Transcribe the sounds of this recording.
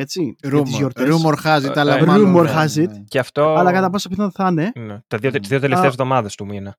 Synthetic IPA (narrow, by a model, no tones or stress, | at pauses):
et͡siɾut̪izzʝoɾt̪ɾumoɾxɐzit̪ɐlɐɾumoɾxɐzit̪ceɐft̪oɐlɐkɐt̪ɐpo̞sɐpʰiθɐðθɐnenet̪ɐðiot̪izðiot̪elet̪ezvðo̞mɐðɐst̪umine